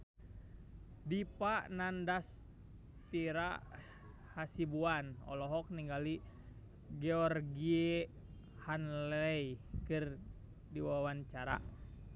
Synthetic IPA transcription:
dipaʔnandas | t̪iɾa | hasibuanɔ̰lɔɦɔk̚niŋɡali | ɡɛɔrɡie | hanlɛjkɨr | diwawant͡ʃaɾa̰

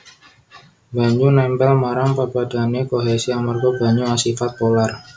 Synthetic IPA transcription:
baɲd͡ʒunɛmbɛlmaɾaŋpəbadanɲekoɦesiamarɡobaɲuasifat̪̚polar

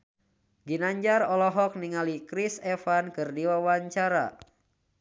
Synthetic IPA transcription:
ɡinaɲd͡ʒarɔlɔɦɔk̚niŋalikɾisɛfankɨrdiwawaɲt͡ʃaɾa̰

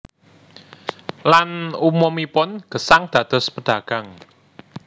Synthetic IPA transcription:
lanumɔmipʊnɡ̥ə̤saŋd̪̥ä̤d̪̥ɔ̤spəɖ̥a̤ɡ̥a̤ŋ

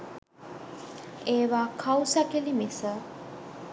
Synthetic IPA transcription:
eːʋaːkʰawsakilimisə

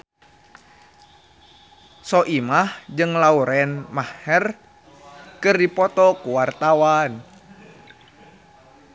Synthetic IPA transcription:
sɔʔimahd͡ʒɨŋlauɾɛnmahɛr | kɨrdipɔt̪ɔkuwart̪awan

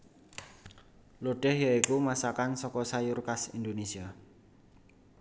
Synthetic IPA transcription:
loɖ̥ɛhjaikumasakansɔkɔsajurkasind̪onesia

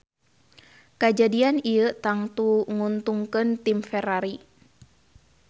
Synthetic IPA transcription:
kad͡ʒadianijət̪aŋt̪uŋunt̪uŋkənt̪imfɛɾaɾi

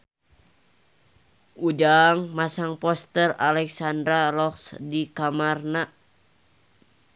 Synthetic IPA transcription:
ud͡ʒaŋmasaŋpɔst̪əralɛksandɾalɔksdikamarna

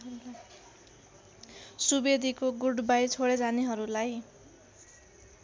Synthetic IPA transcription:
subed̪ʱikoɡuɽbajt͡sʰoɽed͡zaneɦʌɾulaj

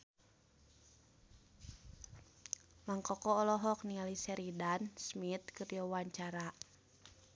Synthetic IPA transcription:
maŋkɔkɔːlɔɦɔk̚nialisɛɾidansmit̪̚kɨrjɔwaɲt͡ʃaɾa

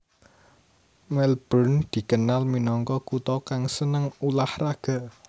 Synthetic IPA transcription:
mɛlb̥ɔnd̪̥i̤kənalminɔŋkɔkut̪ɔkaŋsənəŋulahraɡ̥a̤

